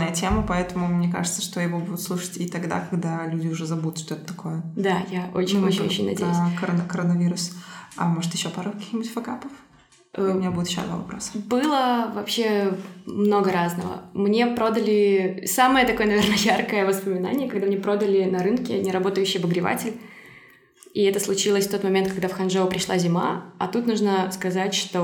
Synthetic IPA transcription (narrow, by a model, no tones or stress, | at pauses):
əjətʲeməpɐɛt̪əmʊmnʲeka̰ʐɨt̪sə̥ʂt̪ojɪvo̞bud̪ʊt̪slˠuʂə̥tʲit̪ɐɡd̪a̰kɐɡd̪alʲudʲɪʊʐɛzɐbut̪ʂt̪oɛt̪ə̥t̪ɐkʰo̞jəd̪ajao̰t͡ɕɪnʲot͡ɕɪnʲot͡ɕʲːɪ̰̃nʲɐ̰dʲejjʲkəɾənkəɾənɐvʲiɾʊsɐ̰moʐɨt̪jɪɕːo̞paɾəkɐkʲi̥xnʲɪbutʲfɐkapəf | ʔʊɪnʲabud̪ʲɪt̪jɪɕːo̰d̪va̰vɐ̰pɾo̞sə̥bɨlˠəvɐpɕe̞mno̞ɡəɾaznəvə̰mnʲe̞pɾo̞d̪əlʲɪsaməjət̪ɐko̞jənɐvʲernəjarkəjəvəspəmʲɪna̰nʲɪjəkɐɡd̪amnʲepɾo̞d̪əlʲɪnɐɾɨnkʲɪnʲɪɾɐbo̞t̪əjʉɕːɪjbəɡɾʲɪva̰tʲɪlʲ | iɛt̪əslˠʊt͡ɕilˠəsʲft̪o̞t̪mɐmʲent̪̚kɐɡd̪afxɐnʐovəpɾʲɪʂlˠazʲɪma̰ɐ̰t̪ut̪nuʐnəskɐzatʲʂt̪o